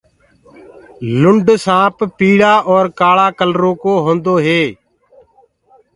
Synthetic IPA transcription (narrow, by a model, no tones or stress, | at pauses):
lʊɳɖsãːppiːɽaːʔɔːɾkaːɭaːkəlɾõːkoːɦõːnd̪oːɦeː